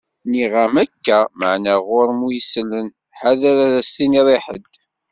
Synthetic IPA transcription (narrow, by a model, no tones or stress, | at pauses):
niʁamækːæmə̰ʕnæʁʊɾmujslːən | ħaðæɾæðæst̪iniðˤiħə̰d̪